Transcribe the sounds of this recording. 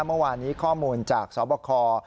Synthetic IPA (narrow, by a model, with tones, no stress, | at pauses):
mɯ˥˩waː˧nːiː˦˥kʰɔː˥˩muː˧nt͡ɕaː˨˩k̚sɔː˩˦pɔː˧kʰɔː˧